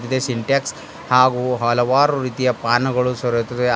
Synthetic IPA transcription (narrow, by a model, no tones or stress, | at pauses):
t̪id̪esiɳʈeks | haːɡuɦɐlɐʋaːɾuɾiːt̪ijɐpaːnɐɡɐɭusɐɾɐt̪id̪e